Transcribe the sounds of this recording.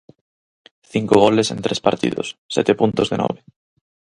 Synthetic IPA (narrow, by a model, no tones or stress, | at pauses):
θiŋkoɣolesḛ̃nt̪ɾespaɾt̪ḭðo̰sːɛ̰t̪epunt̪ozðenɔ̰βe